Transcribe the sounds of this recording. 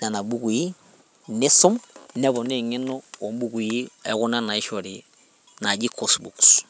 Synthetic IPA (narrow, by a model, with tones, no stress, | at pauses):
na˨na˨bu˦ku˨i˦ | nɛ˦su˦mnɛ˦βɔ˨ne˦˨ŋɛ˦nɔ˦o˨mbu˦ɡu˨i˦ɛ̰˦ku˦na˦na˨i˦ʃɔ˨ɾi˨ | na˨d͡ʒi˦kɔ˦sbṵ˨ks